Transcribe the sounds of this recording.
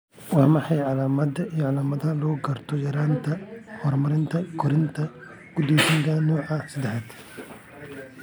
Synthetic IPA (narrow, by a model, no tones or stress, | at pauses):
waːmɐħɑjʕalaːmɐd̪ɐijɔʕalaːmɐðɐɐlɔːɡɐrt̪ʰɔjɐɾaːnt̪ʰɐhɔrmɐɾɪnt̪ʰɐkʰɔɾɪnt̪ʰɐ | ɡ̥ud̪ɔːʃɪŋk̪ʰɐnɔːʕɐsɪd̪ɛħɐd̪